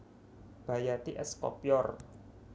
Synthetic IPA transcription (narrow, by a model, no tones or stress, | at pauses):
b̥a̤jat̪iʔɛskɔ̰pjɔr